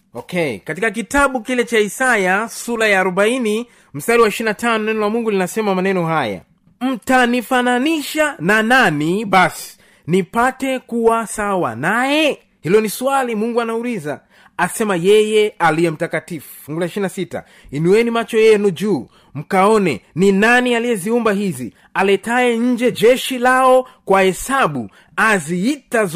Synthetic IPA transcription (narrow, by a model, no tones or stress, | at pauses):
ɔkɛ̰katikak̬itaɓukilɛt͡ʃaisajasuɾajaːɾɔbaini | m̩staɾiwaiʃiinatanɔnɛnɔlamuŋɡulinasɛmamanɛnɔɦaja̰ | m̩tanifananiʃanananiɓasi̥ | nipatɛkuwasawa̰najɛ | hilɔniswalimuŋɡuanaulizaː | sɛmajɛjɛaliɛm̩takatifu̥ŋɡulaiʃiɾinasita̰ | inuwɛnimat͡ʃɔjɛnud͡ʒuː | m̩kaɔnɛninanialijɛziumbaɦizḭ | alɛtaɛɲ̩d͡ʒɛd͡ʒɛʃilaɔkwahɛsaɓu | aziitaz